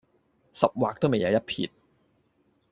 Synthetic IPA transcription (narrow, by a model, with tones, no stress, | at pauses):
sɐ˨p̚waː˨k̚t̪o˥wme˨jɐ˨˧wjɐ˥t̚pʰḭː˨˩t̚